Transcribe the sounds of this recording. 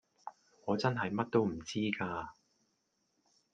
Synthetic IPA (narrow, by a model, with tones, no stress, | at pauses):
ŋɔː˨˧t͡sɐ˥nɦɐ˨jmɐ˥t̚t̪o˥wm̩˨˩t͡siː˥kaː˧